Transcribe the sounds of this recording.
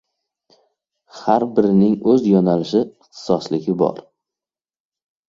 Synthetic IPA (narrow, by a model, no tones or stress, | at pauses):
haɾbɪɾɪnɪŋɵzjɒnalɪʃɪɪχt̪ʰɪ̥sɒslɪɡʲɪbɒ̰ɾ